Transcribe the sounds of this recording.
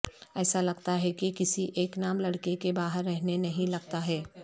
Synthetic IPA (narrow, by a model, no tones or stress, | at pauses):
ɛːsalɐɡt̪aɦɛkikɪsiʔeːknaːmlɐɽkekebaːɦəɾːɛɦnenɐɦĩlɐɡt̪aɦɛː